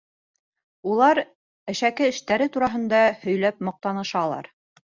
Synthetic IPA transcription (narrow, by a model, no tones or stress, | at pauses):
ulˠɑɾ | ɘ̆ʃækɘɘ̆ʃt̪æɾɘt̪uɾɑɦɤ̆nd̪ɑhɵ̆jlæp̚mɤ̆q̚t̪ɑnɤ̆ʃɑlˠɑ̰ɾ